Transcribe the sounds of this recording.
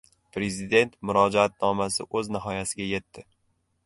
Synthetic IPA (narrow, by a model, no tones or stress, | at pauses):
pɾe̞zid̪e̞nt̪mʊɾɒd͡ʒaat̪̚nɒmasɪ̰ʔɵznɪɦɒjasɪɡʲaje̞t̪ːɪ